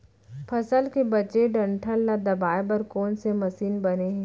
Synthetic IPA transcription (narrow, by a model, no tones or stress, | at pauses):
pʰɐsəlkebɐt͡ʃeɖɐ̃ɳʈʰəlnad̪ɐbaːebɐɾkɔːnsemɐsiːnbɐneɦɛ̃